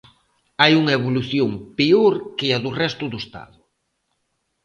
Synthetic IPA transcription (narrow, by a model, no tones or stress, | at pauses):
ajuŋɐeβ̞oluθjoŋpeoɾkɪɐðurɛst̪ʊðʊest̪a̰ðʊ